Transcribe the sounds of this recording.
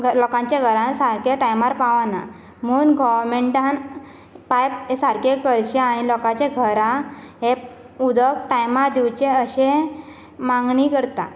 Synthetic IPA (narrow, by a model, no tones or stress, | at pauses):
ɡʱəlɔkãɲt͡ɕaɡʱəɾãnsaɾkeʈajmaɾpãʋana̰ | munɡɔʋɾmeɳʈãn | pajpesaɾkekəɾɕeaɽ̃ilɔkat͡ɕeɡʱəɾaɦe | ud̪ək̚ʈajmaɾd̪iwt͡ɕeəɕe | mãŋɡɳikəɾt̪a̰